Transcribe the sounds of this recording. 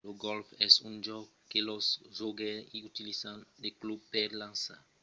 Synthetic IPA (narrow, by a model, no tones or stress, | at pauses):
oɡɔlfɛsũd͡ʒɔɡ | kːelɔsʒoɡẽiut̪ilizãnd̪eklub̚pɛɾlãnsa̰ɾ